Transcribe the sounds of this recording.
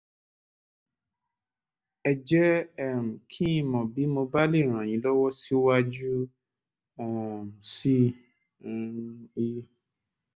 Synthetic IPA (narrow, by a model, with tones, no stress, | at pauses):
ɛ˨d͡ʒɛ˦ɛ˦˨m̩˨kʰĩ˦ĩ˧mɔ̃˨bi˨˦mo˧ba˦le˦˨ɾ̃ã˨j̃ĩ˨˦lɔ˦wɔ˦si˦wa˦d͡ʒu˦ | ɛ˨m̩˨si˦˨ | i˧